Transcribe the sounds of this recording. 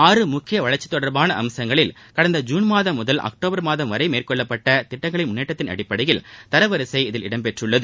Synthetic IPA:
aːrɯmʊkːɪjɐʋɐɭɐɾt͡ʃːɪ̥t̪ːɔɽɐɾbaːnɐʔɐmsɐŋɡɐɭɪl | kɐɽɐnd̪ɐd͡ʒuːnmaːðɐmːʊðɐlʔɐ̰k̚ʈoːbɐɾmaːðɐmʋɐɾɐɪmeːrkɔɭːɐpːɐʈːɐt̪ɪʈːɐŋɡɐɭɪnmʊnːeːʈːɐt̪ːɪnɐ̰ɽɪpːɐɽɐjɪlt̪ɐɾɐʋɐɾɐsɐɪɪðɪlɪɽɐmpɛʈrɯɭːɐðɯ

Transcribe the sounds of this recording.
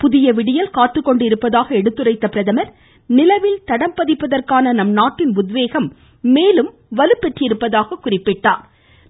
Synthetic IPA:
pʊðɪjɐʋɪɽɪjɐlkaːt̪ːɯkːɔɳɖɪɾɯpːɐðaːɣɐɛɽɯt̪ːɯrɐɪt̪ːɐpɪɾɐðɐmɐɾ | nɪlɐʋɪlt̪ɐɽɐmpɐðɪpːɐðɐrkaːnɐnɐmnaːʈːɪnʊd̪ʋeːɣɐmː | eːlɯm | ʋɐlɯpːɛʈrɪɪɾɯpːɐðaːɣɐkːʊrɪpːɪʈːaːɾ

